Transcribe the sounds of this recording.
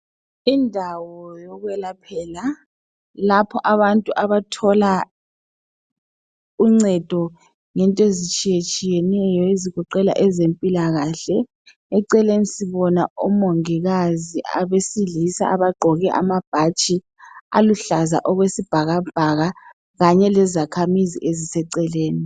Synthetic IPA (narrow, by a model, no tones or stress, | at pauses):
indʱawɔjɔɣwɛlapʰɛːla | lapʰɔʔaβantʼuʔaβatʰɔla | uŋ͡ǀɛd̥ʱɔ | ŋɛntʼɔezit͡ʃʼijet͡ʃʼijɛnɛjɔeziɣɔǃɛla̰ʔɛzempʼilaɣaːɬɛ | ɛǀɛlenisiβɔnaumoŋiɣaziʔa̰βesilisa̰aβaɡ͡ǃʱɔɣɛʔa̰mab̥ʱat͡ʃʼi | a̰luɬaza̰ʔɔɣwesib̥ʱaɣab̥ʱaɣa | ɣaɲɛlɛzakʰamizḭʔezisɛǀɛleːni